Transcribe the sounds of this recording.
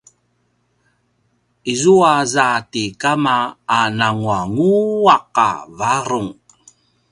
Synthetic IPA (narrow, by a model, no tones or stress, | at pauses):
izuazatikamaːnaŋuaŋuaqa̰vaɾuŋ